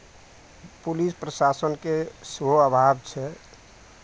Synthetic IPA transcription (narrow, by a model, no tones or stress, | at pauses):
pulispɾəsasənkeswoəbʱabt͡ʃʰɛ